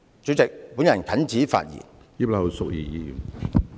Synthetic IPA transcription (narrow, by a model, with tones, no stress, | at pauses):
t͡ɕɵ˨˥t͡sɪ˨k̚puː˨˥njɐ˨˩nkʰɐ˨˥nt͡siː˨˥fa̰ː˧t̚jḭː˨˩n | iː˥plɐ˧wsʊ˨k̚jiː˨˩jiː˨˧jy̰˨˩n